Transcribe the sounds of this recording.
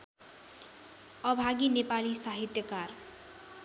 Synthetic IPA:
ʌbʱaɡinepalisaɦit̪jʌkar

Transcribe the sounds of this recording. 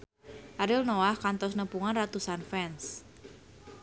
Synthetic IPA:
ʔaɾilnoahkant̪ɔsnəpuŋanrat̪usanfɛns

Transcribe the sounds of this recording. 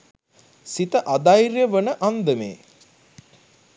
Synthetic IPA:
sit̪əʔad̪ajɾjəʋənəʔand̪əmḛː

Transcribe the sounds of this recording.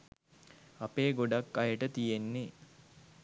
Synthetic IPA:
apeːɡoɖakːajəʈət̪ijenːe

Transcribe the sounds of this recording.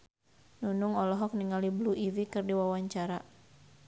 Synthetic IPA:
nunuŋɔlɔɦɔk̚niŋalibluʔivikɨrdiwawaɲt͡ʃaɾa

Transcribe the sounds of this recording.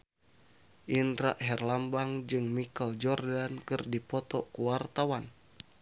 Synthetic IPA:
ʔinɾa̰ʔɦɛrlambaŋd͡ʒɨŋmikəld͡ʒɔrdankɨrdipɔt̪ɔkuwart̪awan

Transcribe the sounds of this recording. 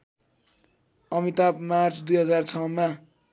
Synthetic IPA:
ʌmit̪apmart͡sʰd̪ujɦʌd͡zart͡sʰʌwnma

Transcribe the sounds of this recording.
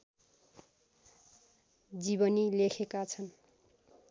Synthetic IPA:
d͡zibʌnilekʰekat͡sʰʌn

